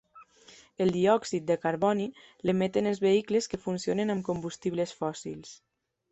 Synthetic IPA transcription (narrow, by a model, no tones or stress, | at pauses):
əlˠd̪iɔksit̪̚d̪əkaɾβɔni | ləmet̪enelˠzβeikləskəfunsionenamkumbust̪iβləsfɔsḭlˠs